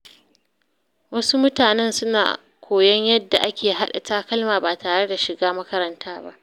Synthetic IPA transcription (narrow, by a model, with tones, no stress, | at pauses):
wɐ˦su˦mʊ˦taː˨nɛ˦nsʊ˦na̰ː˨ | kʷʰoː˨jɐ˦ɲjɐ˦dːa˨ʔa˦kʲeː˨ɦa˦ɗa̰˨taː˦kɐ˦lmaː˨ba˨taː˨ɽe˦da˨ʃɪ˨ɡaː˦mɐ˦kɐ˦ɾɐ˦ntʰaː˦ba̰˦ʔ